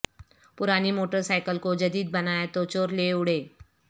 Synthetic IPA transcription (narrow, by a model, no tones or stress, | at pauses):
pʊɾaːnimoːʈəɾsaːɪkəlkod͡ʒɐd̪iːd̪̚bɐnaːet̪ot͡ʃoːɾleːʊɽeː